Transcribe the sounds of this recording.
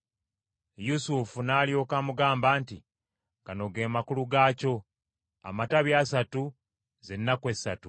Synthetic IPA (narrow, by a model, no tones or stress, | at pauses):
jusufunaːlijo̞ːkamuɡaːmbaːnti | ŋɡano̞ɡe̞ːmakuluɡaːco̞ | a̰mataβjaːsatu | ze̞nːakwe̞sːatu